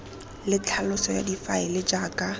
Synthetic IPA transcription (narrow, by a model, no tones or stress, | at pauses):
lɪt͡ɬʰalʊsɔja̰difaɪlɪd͡ʒaːkʼa